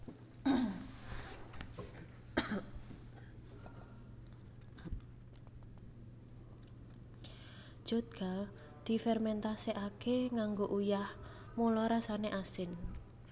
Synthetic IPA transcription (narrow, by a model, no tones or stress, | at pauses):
d͡ʒ̥o̤t̪̚ɡ̥a̤l | d̪̥i̤fɛrmɛnt̪aseʔakeŋaŋɡoʔujah | molɔɾasaneʔasɪn